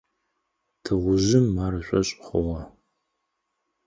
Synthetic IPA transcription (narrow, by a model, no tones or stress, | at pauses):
tʰɨʁʷʊʑɪmːaːɾɨɕʷʼɐɕʼχʊʁɐ